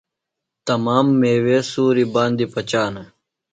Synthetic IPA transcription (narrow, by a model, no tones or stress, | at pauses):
t̪ɐmaːmːeːweːsuːɾiːbãːnd̪iːpət͡ɕaːnə